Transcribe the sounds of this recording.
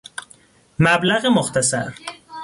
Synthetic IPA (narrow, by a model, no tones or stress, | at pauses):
mæblæɣemoxt̪ʰæsæ̰ɾ